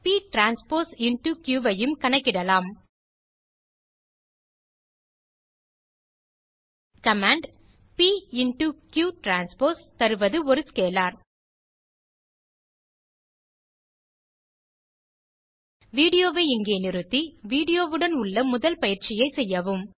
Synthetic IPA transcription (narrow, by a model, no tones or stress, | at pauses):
piːʈɾaːnspoːɾsɪɳʈukjuːʋɐjɯmkɐɳɐkːɪɽɐlaːm | kɐmaːɳɖ | piːɪɳʈukjuːʈɾaːnspoːɾst̪ɐɾɯʋɐðɯɔɾɯskeːlaːɾ | ʋiːɽɪjoːʋeɪŋɡeːnɪɾɯt̪ːiʋiːɽɪjoːʋɯɽɐnʊɭːɐmʊðɐlpɐjɪɾt͡ʃɪjɐɪsɛjːɐʋɯm